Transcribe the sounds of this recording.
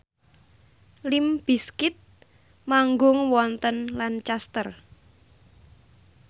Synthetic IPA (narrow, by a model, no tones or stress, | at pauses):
limb̥i̤skɪt̪̚ | maŋɡʊŋwɔnt̪ənlant͡ʃast̪ər